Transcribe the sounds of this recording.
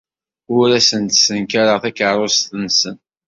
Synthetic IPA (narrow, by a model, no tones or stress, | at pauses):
ʊɾæsənt̪sənkaɾəʁθækəɾˤost̪ənsən